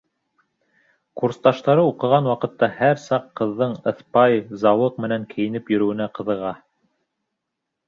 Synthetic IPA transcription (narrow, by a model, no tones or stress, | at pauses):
kuɾst̪ɑʃt̪ɑɾɤuqɤ̆ʁɑnwɑqɤ̆t̪ːɑhæɾsɑqːɤ̆ðːɤɴɤ̆θpɑjzɑwɤq̚mɘ̆næŋkʰɘ̆jɘ̆nɘpjɵ̆ɾɵ̆wɘ̆næqɤ̆ðɤ̆ʁɑ